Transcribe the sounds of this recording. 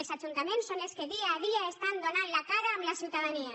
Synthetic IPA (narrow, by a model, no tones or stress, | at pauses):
elsat͡ʃunt̪amẽnsonelskeðiaːðiaest̪and̪onanlakaɾaːmlasiuwt̪aðania